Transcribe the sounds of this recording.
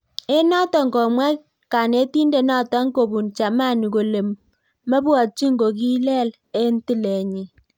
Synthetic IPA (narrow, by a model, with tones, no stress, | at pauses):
e˦nɔ˦tɔ˨ŋɡɔ˨mwɛ˦ | ka˨ne˦ti˦nde˦˨nɔ˦˨tɔ˨˦ŋ˦ko˨bu˨nt͡ʃa˨ma˦˨ni˨ko˨le˨mː | ə˦bwɔ˨t͡ʃi˦ŋɡo˨k̬i˦lɛ˦˨l | e˦nti˦le˨ɲi˨